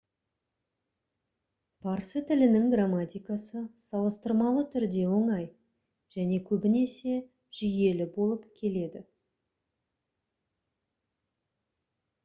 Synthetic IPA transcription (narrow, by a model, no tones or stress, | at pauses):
pʰɑɾsət̪ʰɪlɪnɪŋɡramːat̪ʲijkasəsɑlˠəst̪əɾmɑlˠət̪ʰʏɾd̪e̞wo̞ɴɑj | ʒ̥æne̞kʲʰɵbɪne̞se̞ | ʒ̥ʏje̞lɪbo̞lˠəpkʲʰe̞le̞d̪ɪ